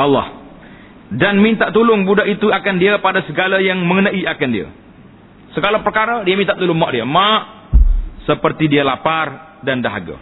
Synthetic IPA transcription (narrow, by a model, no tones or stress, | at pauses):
alːa̰h | danmint̪aʔt̪ulʊŋbudaʔit̪uakandiapadasəɡalajaŋməŋənaiakandia̰ | səɡalapərkaɾadiamint̪aʔt̪ulʊŋmaʔdiamaʔ | səpərt̪idialapar | dandaɦa̰ɡa̰